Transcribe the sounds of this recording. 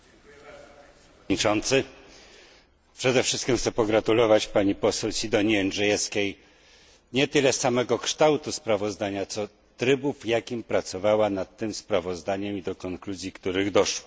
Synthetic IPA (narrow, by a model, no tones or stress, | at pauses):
it͡ʂɔnt̪sɘ | pʂɛd̪ɛfʂɘ̥st̪kʲimxt̪sɛpɔɡɾat̪ulɔvat͡ɕpaɲipɔsɛwsʲid̪ɔɲiɛnʐɛjɛskʲej | ɲɛt̪ɘlɛsamɛɡɔkʂt̪awt̪uspɾavɔzd̪aɲat̪sɔ | t̪ɾɘbuvjakʲimpɾat̪sɔvawanat̪ːɘmspɾavɔzd̪aɲɛmid̪ɔkɔŋkluzʲjikt̪uɾɘɣd̪ɔʂwɔ